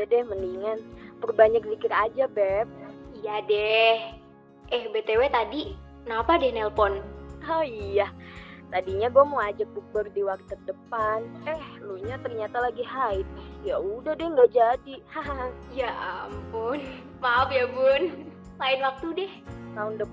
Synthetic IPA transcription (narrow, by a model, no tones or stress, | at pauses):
dadɛhməniŋanpərbaɲak̚dikɪɾad͡ʒabɛp̚ijadɛh | ʔɛhbet̪ewet̪adi | knapadɛhnɛlpɔnaijat̪adiɲaɡuamoad͡ʒak̚buk̚bərdiwak̚t̪ːərdəpanɛhluɲat̪ərɲat̪alaɡiɦaɪt̪̚jaudahdɛhŋɡaʔd͡ʒadihaɦaɦjaampʊn | maopjabʊn | laɪnwak̚t̪udɛht̪aʊndəp